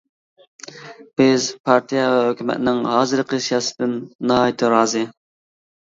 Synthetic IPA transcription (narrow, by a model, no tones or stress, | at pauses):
b̥ɪzpʰɑɾt̪ʰijɛvɛɦøkʲymɛ̰t̪ɪnɪŋɦɑːzɨɾqʰesjɑsɨd̪ɪnːɑɦɑjt̪ʰɪɾɑːzɨ